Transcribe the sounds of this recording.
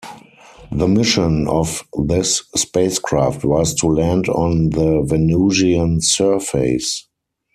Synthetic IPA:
ðəmɪʃə̃nɔfðɪsːpeɪskʰɹaftʰwɔstʰulæ̃ndɔ̃nðəvɛnuziə̃nsɜ˞feɪs

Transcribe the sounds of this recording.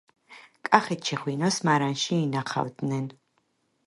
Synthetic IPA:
kʼaχɛt̪̚t͡ʃʰɛχwinɔsmaɾanʃiːnaqʰa̰wd̪nɛn

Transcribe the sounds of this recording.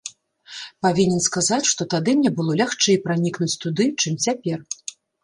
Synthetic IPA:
pavʲinʲɛnskazat͡sʲʂt̪ɔt̪ad̪ɨnʲɛbɨlˠɔlʲaxt͡ʂɛipɾanʲiknut͡sʲt̪ud̪ɨt͡ʂɨmt͡sʲapʲɛr

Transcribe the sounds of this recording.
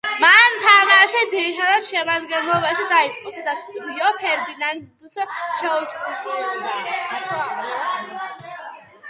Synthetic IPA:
manmt̪ʰamaʃid̪ziɾit̪ʰad̪ad̪ʃɛmad̪ɡɛnlɔbaʃid̪ait̪sʼqʼusad̪at̪ʰbiɔpʰɛɾd̪inand̪usʃɛut͡ʃʰʼɔnt̪ʼunaasɔalɛ

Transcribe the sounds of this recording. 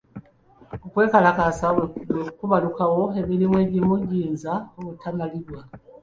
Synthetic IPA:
okwe̞ːkalakasaβewekukuβalukawo̞e̞milimwe̞ɟimuɟiːnzaoβutʰanaliβwa

